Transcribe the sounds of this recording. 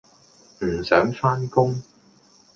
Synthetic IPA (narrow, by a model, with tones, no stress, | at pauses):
m̩˨˩sœː˨˥ŋfaː˥nkʊ˥ŋ